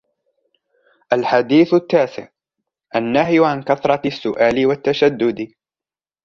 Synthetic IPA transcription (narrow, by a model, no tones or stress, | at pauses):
ʔalħad̪iːθʊt̪ːaːsɪ̰ʕ | ʔanːaɦjʕankaθɾˤɑsːʊʔaːlɪwat̪ːaʃad̪ːʊd̪